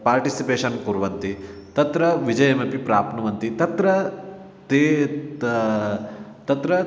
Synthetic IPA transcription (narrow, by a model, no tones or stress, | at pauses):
paːɾʈisipeːʂɐnkuɾʋɐnt̪i | t̪ɐt̪ɾɐʋid͡ʒɐjɐmɐpipɾaːpʰnɐʋɐnt̪it̪ɐt̪ɾɐ | t̪eː | t̪ɐt̪ɾɐ